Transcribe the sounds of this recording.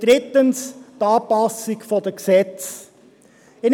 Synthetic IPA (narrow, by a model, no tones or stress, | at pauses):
d̥ɾɪtənst̪ɑːpɑsɪɡfɔdəksɛt͡s | ɪn